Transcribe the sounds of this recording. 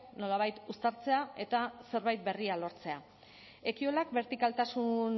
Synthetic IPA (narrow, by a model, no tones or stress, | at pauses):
no̞laβ̞ajt̪ust̪aɾt͡se̞ae̞t̪ase̞ɾβajt̪̚be̞rialo̞ɾt͡se̞a | e̞kio̞lakbe̞ɾt̪ikalt̪asun